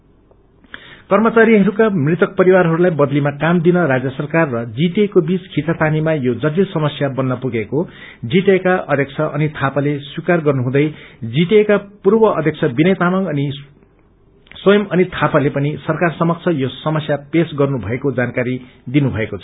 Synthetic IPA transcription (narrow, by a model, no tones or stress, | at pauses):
kʌrmʌt͡saɾiɦʌɾukamrit̪ʌk̚pʌɾiwaɾɦʌɾulajbʌd̪limakamd̪inʌrad͡zjʌsʌrkarːʌd͡ziʈekobit͡skʰit͡sat̪animajod͡zʌt̪ilsʌmʌsjabʌnːʌpuɡeko | d͡ziʈekaʔʌ̰d̪ʱjʌk̚t͡sʰʌʔʌnit̪ʰapaleswikarɡʌrnuɦũd̪ʌjd͡ziʈekapurbʌʔʌd̪ʱjʌk̚t͡sʰʌbinʌjt̪amʌŋʌni | swʌjʌmʌnit̪ʰapalepʌnisʌrkarsʌmʌk̚t͡sʰʌjosʌmʌsjapesɡʌrnubʱʌekod͡zankaɾid̪inubʱʌekot͡sʰʌ̥